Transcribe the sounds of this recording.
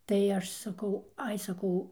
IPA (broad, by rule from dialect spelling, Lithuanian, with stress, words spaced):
tɐɪ ˈɐʃ sɐˈkɐʊ ˈɐɪ sɐˈkɐʊ